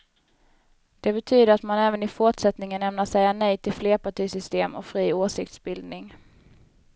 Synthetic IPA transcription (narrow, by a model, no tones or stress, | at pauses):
d̪̥ɛbɛt̪ʰyːd̪əɾat̪manɛːvənɪfʊʈʂɛt̪nɪŋənɛmnaʂɛjːanɛjt̪ʰɪlfleːpaʈʰiːsʏst̪eːmɔ̰kfɾiːoːʂɪk̚t̪sbɪld̪nɪŋ